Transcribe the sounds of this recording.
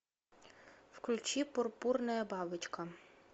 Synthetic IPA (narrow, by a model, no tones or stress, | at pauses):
wklʲʊt͡ʃipɔrpurnɐjɐbɑbɪt͡ʃkɐ